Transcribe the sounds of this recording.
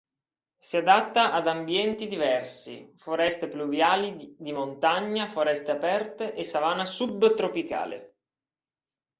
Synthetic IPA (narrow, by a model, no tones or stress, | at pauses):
siad̪at̪ːaʔad̪ambjɛnt̪id̪ivɛrsḭfoɾɛst̪epluvjaːlid̪imont̪aɲːafoɾɛst̪eapɛrt̪eʔesavaːnasubːt̪ɾopika̰ːlḛ